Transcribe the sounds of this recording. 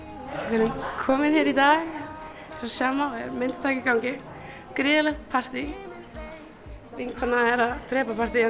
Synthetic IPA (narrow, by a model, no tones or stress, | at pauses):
ʋɪɾʉnkʰɔmɪnhɛːɾid̪aːɣ | ɾɔsjaːmaɔɛ̰ɾmɛnt̪t̪ʰaːkɪkawŋkɪ | kɾɪːðəlɛxt̪pʰaɾ̥t̪i | ʋɪŋkʰɔnaɛɾat̪ɾɛːpapʰaɾ̥t̪i